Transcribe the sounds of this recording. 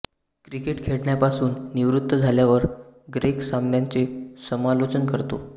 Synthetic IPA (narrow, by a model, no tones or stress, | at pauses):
kɾikeʈkʰeɽɳjapasuːnːiʋɾut̪ːəd͡zʱaljaʋəɾɡɾeksamnjant͡sesəmalot͡ɕənkəɾt̪o̰